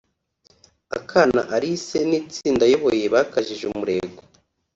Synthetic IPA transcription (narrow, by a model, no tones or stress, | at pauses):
akʰana̰ʔaɾise̞niːt͡siːndajo̞βo̞je̞βakaʒiʒumuɾe̞ɡo